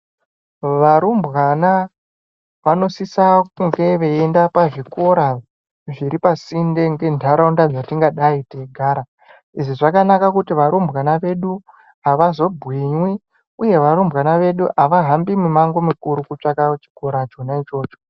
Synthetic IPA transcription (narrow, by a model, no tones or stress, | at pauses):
ʋaɾumbwana | ʋano̞sisak̚uŋɡe̞ʋeendapaʐiko̞ɾa | ʐiɾipasinde̞ŋɡe̞ndʱaɾaundad͡zatiŋɡaɗaiteɡʱaːɾa | iʐiʐakanakakutiʋaɾumbwanaʋe̞ɗu | aʋazo̞bʱwiɲwi | uje̞ʋaɾumbɣanaʋe̞ɗuʔaʋaɦambimemaŋɡo̞mikuɾukut͡ʂakat͡ʃi̥ɡʱo̞ɾat͡ʃonait͡ʃo̞ːt͡ʃo̞̥